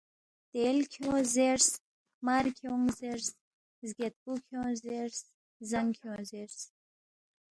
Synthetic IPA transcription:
t̪elkʰozeɾs | maɾkʰjoŋzeɾs | zɡet̪̚pukʰjozeɾs | zaŋkʰjozeɾs

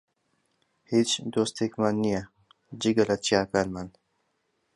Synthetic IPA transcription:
hit͡ʃd̪oːst̪ekmanːija | d͡ʑiɡɐlat͡ɕjaːkalman

